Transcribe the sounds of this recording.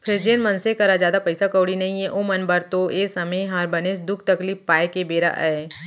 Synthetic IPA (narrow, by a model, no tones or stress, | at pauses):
pʰɪɾd͡ʒeːnmɐnsekɐɾad͡ʒjaːd̪apɐɪsakəːɽinɐɦĩɛ̃ʔoːmɐnbɐɾt̪oʔeːsɐməiɦãːɾbɐnesd̪ʊk̚ʰt̪ɐkliːppaːekebeːɾa̰ʔɛː